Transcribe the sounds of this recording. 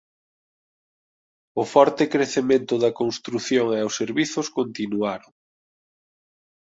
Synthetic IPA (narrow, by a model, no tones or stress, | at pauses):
ʊfɔɾt̪ɪkɾeθemẽnt̪ʊðɐkonst̪ɾuθjoŋɛowsːeɾβiθʊskont̪inuaɾoŋ